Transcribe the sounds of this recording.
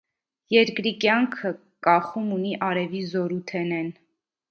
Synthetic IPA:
jɛɾkɾikjɑŋkʰə | kɑχumuniʔɑɾɛvizɔɾut̪ʰɛnɛn

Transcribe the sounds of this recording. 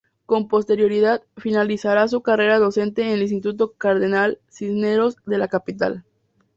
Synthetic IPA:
ko̞mpost̪e̞ɾjo̞ɾiðaðfinalisaɾas̬ukare̞ɾaðo̞se̞nt̪e̞ːnelinst̪it̪ut̪o̞kaɾðenalsisne̞ɾo̞zðe̞lakapit̪a̰l

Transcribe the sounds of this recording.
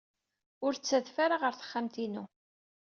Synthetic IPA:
ʊɾt͡sːæðfaɾaʁəɾθə̥χːamt̪inu

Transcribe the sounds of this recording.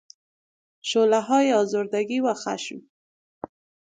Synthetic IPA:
ʃolaɦɑjeɑzoɾd̪aɡiwaxa̰ʃm

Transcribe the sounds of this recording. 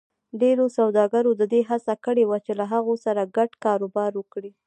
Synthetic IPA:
ɖeɾosawd̪ɑɡaɾod̪əd̪eɦasakəɽewat͡ʃelaɦaɣosaɾaɡaɖkɑɾobɑɾwəkɽi

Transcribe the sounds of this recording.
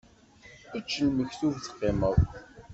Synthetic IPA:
it͡ʃːəlməçθuvθə̥qːeməw

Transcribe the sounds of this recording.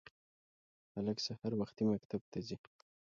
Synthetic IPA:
haləksahaɾwaxt̪imakt̪ab̚t̪ʰazi

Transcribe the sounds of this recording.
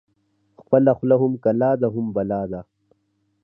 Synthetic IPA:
xpəlaxlaɦʊmkɐlaːd̪aɦʊmbɐlaːd̪a

